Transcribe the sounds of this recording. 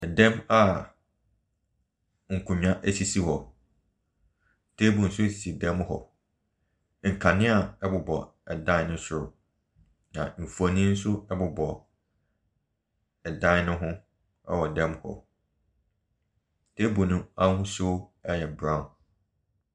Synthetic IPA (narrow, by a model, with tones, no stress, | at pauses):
ɛ˨dɛ̃˦ma˦ | ŋ̩˨kʰũ˨ɲ˦ã˦ʔæ˦si˨si˦hɔ˨ | tʰe˦bũ˨n̩˨sʊ˦˨si˨dɛ̃˦mhɔ̰˨ | ŋ̩˨kʰa˨nɪ̃˦a˨ɛ˦bʊ˨bɔ˨ | ɛ˨dã˦nʊ̃˦sɪ˨ɾʊ˨ | nã̰˨m̩˨fu˨ɔ˨nĩ˦n̩˦sʊ˦ɛ˦bʊ˨bɔ˨ | ɛ˨dã˦nʊ̃˦ɦʊ̃˦ | ɛ̰˦˨wɔ˨dɛ̃˦mhɔ̰˨ | tʰe˦bũ˨nʊ̃˦a˦hʊ̃˦sʊ˦ɛ˦jɛ˨bɾã˦˨n